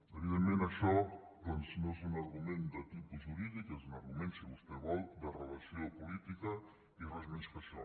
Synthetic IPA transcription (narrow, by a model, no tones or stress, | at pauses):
eβiðẽnmẽnaʃɔd̪ɔnsnõɛzunaɾɣumẽnd̪et̪ipuʒuɾiðikɛzunɐɾɣumẽnseβust̪ɛβɔlˠd̪ərelɐsiopulit̪ikɐ | ireʒmẽnskasɔ